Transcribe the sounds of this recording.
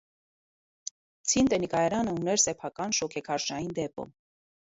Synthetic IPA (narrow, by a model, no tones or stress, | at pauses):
t͡sʰint̪ənikɑjɛɾɑnəunɛɾsɛpʰɑkɑnʃɔkʰɛkʰɑɾʃɑjind̪ɛpɔ̰m